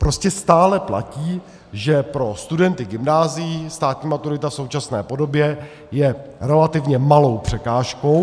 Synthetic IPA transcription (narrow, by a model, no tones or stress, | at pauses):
pɾo̞scɛst̪aːlɛpla̰ciː | ʒɛpɾo̞st̪udɛnt̪ɪɡɪmnaːzɪjɪst̪aːt̪ɲiːmat̪uɾɪt̪afso̞wt͡ʃasnɛ̰ːpo̞do̞bjɛ | jɛɾɛlat̪ɪvɲɛmalo̞wpr̝̥ɛkaːʃko̞w